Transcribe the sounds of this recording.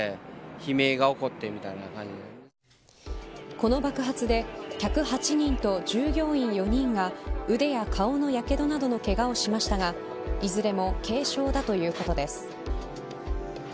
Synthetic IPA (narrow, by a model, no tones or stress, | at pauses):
çime̞ːɡao̞ko̞t̪ːemʲit̪ainakãɲ̟d͡ʑid̪e | ko̞no̞bakɯ̟ɦat͡sɨd̪e̞çʲakɯ̟hat͡ɕiɲ̟ĩnt̪o̞d͡ʑɨːɡʲo̞ːĩɰ̃jo̞ɲ̟ĩŋɡaɯ̟d̪e̞jakʰao̞no̞jake̞d̪o̞nad̪o̞no̞ke̞ɡao̞ɕimaɕi̥t̪aɡa | izɨɾe̞mo̞kʰe̞ːɕo̞ːd̪at̪o̞jɯ̟ːko̞t̪o̞d̪e̞sɨ̥